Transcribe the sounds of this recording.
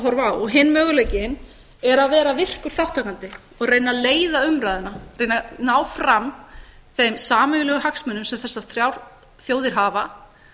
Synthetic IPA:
ɦɔɾvaːwɔɣɦɪnmœːɣʏlajcɪn | ɛɾaðvɛːɾavɪr̥kʏɾ̥θaw̥t̪ʰːakant̪ɪ | ɔɣreːjnːaleːjðaʏmɾajðʏnarejnanaːwfɾamθejmsaːmœɣʏlɛɣʏɦaksmʏnʏmsɛmθɛsːaθɾjawɾ̥ | θjoːwðɪɾ̥ɦaːva

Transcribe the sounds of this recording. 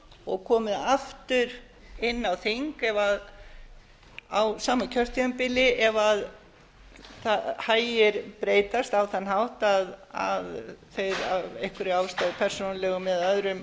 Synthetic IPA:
ɔɣkʰɔːmɪðaft̪ʏɾ | ɪnːawθiŋkɛvað | awsaːmacʰœr̥t̪jœmpɪlɪʔɛvað | θahaːjɪɾpɾeːjt̪ast̪awθanɦawht̪aða̰ðθejɾa̰vejhkʏɾɪawst̪awpʰɛr̥sonalɛɣʏmːɛðœðɾʏm

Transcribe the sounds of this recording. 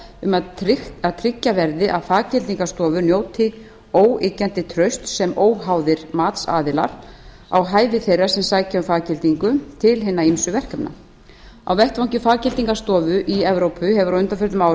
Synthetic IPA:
ʏmaaðt̪ʰɾɪcːavɛɾðɪʔaðfaːcɪlt̪iŋkast̪ɔːvʏnjoːwt̪ʰɪ | oːwɪːcant̪ɪt̪ʰɾœɥst̪sɛmoːwɦawðɪɾ̥maːt̪sa̰ːðɪla̰ɾ̥ | a̰wɦaːjvɪθejrːḁsɛmsaːjcaʏfaːcɪlt̪iŋkʏt̪ʰɪlɦɪnːaimsʏvɛr̥kapna̰ | a̰wvɛht̪vawɲcʏfaːcɪlt̪iŋkast̪ɔːvʏʔiɛvɾowpʰʏɦɛvʏɾaʏnt̪afœɾt̪ʏmaːwɾ

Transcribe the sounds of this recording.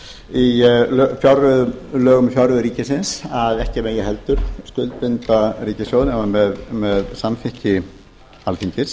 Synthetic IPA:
ilfjawɾʏðlœːɣʏmfjawɾvʏɾiːcɪsɪnsaðɛhcɪmeːjɪðhɛlt̪ʏɾ̥skʏlt̪̚pɪnt̪ariːcɪsjowðnɛmamɛðmɛðsamfɪhcɪ | alfiɲcɪs

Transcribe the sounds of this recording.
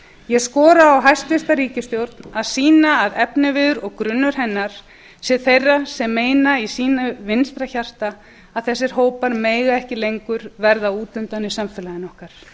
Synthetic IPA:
jɛɣskɔːɾaːwɦajst̪vɪst̪aɾiːcɪst̪jowɾt̪naðsiːnaːðɛpnɪvɪðʏɾɔɣkɾʏnːʏɾ̥ɦɛnːaɾ̥ | sɛθejrːasɛmːeːjnaisiːnavɪnst̪ɾaçar̥t̪aː | ðθɛsːɪɾ̥ɦoːwpaɾmeːjɣaɛhcɪlejŋkʏɾvɛɾðauːt̪ʏnt̪anɪsamfɛlaðɪnɔhkaɾ̥

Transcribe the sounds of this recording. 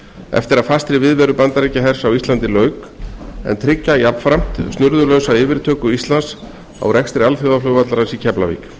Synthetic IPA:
ɛ̰ft̪ɪɾaðfast̪ɾɪvɪðvɛːɾʏpant̪aɾɛcaɦɛɾ̥sawist̪lant̪ɪlœːɥk | ɛ̰nt̪ʰɾɪcːajapfɾam̥t̪st̪nʏɾðʏlœɥwsaɪːvɪɾ̥t̪ʰœːkʏist̪lans | a̰wɾɛkst̪ɾɪalfjowðalœːwvat̪laɾansicʰɛpla̰vḭk

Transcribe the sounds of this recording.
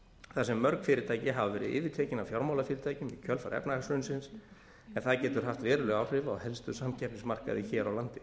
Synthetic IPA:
θasɛmːœɾkfɪːɾɪt̪ʰaːjcɪɦavavɛːɾɪ̰ðʔɪ̰ːvɪt̪ʰeːjcɪnawfjawɾmawlafɪːɾɪɾt̪ʰaːjcʏmicʰœlfa̰ɾɛ̰pnaaksʏnsɪns | ɛnθaðcɛːt̪ʏɾ̥ɦaft̪vɛːɾʏlɛɣawr̥ɪvaawhɛlst̪ʏ̥samcʰɛhpnɪsmar̥ka̰ðɪçɛːɾawlant̪ɪ

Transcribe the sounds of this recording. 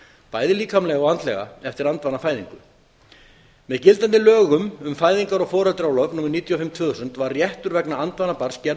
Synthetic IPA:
paːjðɪliːkamlɛɣaɔɣant̪lɛ̰ɣa̰ɛft̪ɪɾant̪vanafaːjðḭŋkʏ | mɛðcɪlt̪ant̪ɪlœːɣʏmʏmfaːjðiŋkaɾɔfɔːɾat̪ɾjawlœvnuːmɪɾniːt̪ʰjɔfɪmt̪ʰvʏːðosʏnt̪varrjɛht̪ʏɾvɛknaant̪vanːapar̥scɛɾ

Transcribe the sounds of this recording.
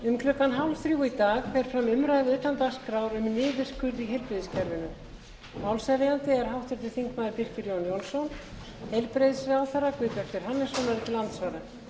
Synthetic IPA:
ʏmkʰlʏkːanɦawlθɾjuːwit̪aːɣfɛɾ̥fɾamʏmɾaːjðɪʏt̪ːant̪askɾawɾʏmnɪːðɪ̥skʰʏɾðiɦejlpɾeðɪscʰɛɾvɪnʏ | mawlsɛɾɪjant̪ɪɛɾ̥ɦawht̪ɛɾt̪ɪ̥θiŋkmaːðɪɾpir̥cɪɾjownjownsːown | hejlpɾejðsawθaɾakvɪːp̪œkt̪vɪɾ̥hanːɪsɔnaɾɪt̪ɪlant̪svaːɾa

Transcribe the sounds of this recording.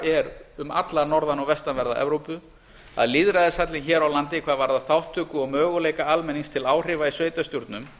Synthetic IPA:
ɛɾʏmat̪laɾnɔɾðanɔɣvɛst̪anvɛɾða̰ʔɛ̰vɾowpʏ | a̰ðliðɾaðɪsat̪lɪnçɛːɾawlant̪ɪkʰv̥aːðvaɾðaθawht̪ʰːʏːkʏɔɣmœːɣʏleːjkaalmɛniŋst̪ʰɪlaːwr̥ɪːvaisveːjt̪ast̪juɾt̪nʏm

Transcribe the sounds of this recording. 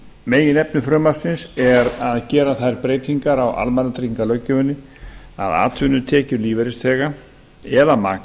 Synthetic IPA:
meːjɪnɛpnʏfɾœːmaɾ̥sɪnsɛɾaðcɛːɾaθajɾpɾeːjt̪iŋkaɾawʔa̰lmɛnat̪ɾiŋkalœcːʏvʏnːɪ | a̰ða̰ːt̪ʰvʏnʏt̪ʰɛːcʏliːvɛɾɪst̪ʰɛːɣa | ɛðama̰ːk

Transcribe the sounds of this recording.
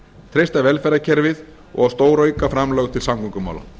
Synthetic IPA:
t̪ʰɾejst̪avɛlfɛɾacʰɛɾvɪð | ɔ̰ɣast̪oːwɾœːɥkafɾamlœːɣt̪ʰɪlsamkɔŋkʏma̰wla̰n

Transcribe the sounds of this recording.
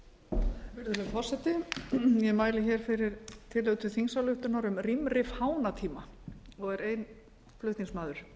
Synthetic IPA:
vɪɾðʏlfɔr̥sɛt̪ɪjɛmaːjlɪçɛːɾ̥fɪɾɪɾt̪ʰɪlœɣt̪ʰʏθiŋsawlʏht̪ʏnaɾʏmrimrɪfhaːwnat̪ʰiːmaɔɣɛɾeːjn | flʏht̪niŋsmaːðʏɾ̥

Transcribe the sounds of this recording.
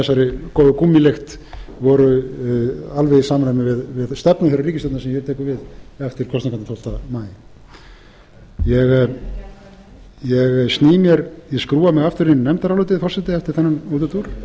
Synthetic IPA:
ɛsːaɾɪkɔðʏkumːɪlext̪ | vɔɾʏ | alvɛjsaːmanamɪvɪðvɪðst̪ɛpnʏθiɾariːcɪst̪ɔt̪nasɛmjɛɾt̪ʰɛːkʏɾvɪðɛft̪ɪɾkʰɔst̪iŋkanat̪ʰowl̥t̪amaːjɪ | jɛɣ | jɛɣsniːmjɛɾjɛskɾuːamɛɣaft̪ʏɾinnɛmt̪aɾalɔt̪ɪðfɔrsɛt̪ɪɛft̪ɪ̥ɾ̥θɛnːanut̪ʏt̪uɾ̥

